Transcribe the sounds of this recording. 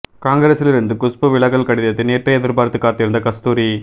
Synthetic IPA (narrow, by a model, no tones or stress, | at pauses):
kaːŋɡɐɾɐsɪlɪɾɯnd̪ɯkʊspɯʋɪɭɐɣɐɭkɐɽɪðɐt̪ːɯneːʈrɐjɐðɪɾbaːɾt̪ːɯkːaːɾt̪ːɪɾɯnd̪ɐkɐst̪uːɾi